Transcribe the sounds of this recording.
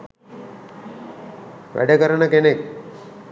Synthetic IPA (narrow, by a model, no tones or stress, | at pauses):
ʋʔæ̰ɖəkəɾəɳəkenek̚